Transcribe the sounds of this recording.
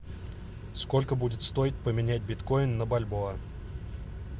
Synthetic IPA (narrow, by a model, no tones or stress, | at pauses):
skolʲkəbudʲɪt̪st̪o̞ɪt̪̚ʲpəmʲɪnʲæt̚ʲbʲɪt̪kojɪnːəbɐlʲboɐ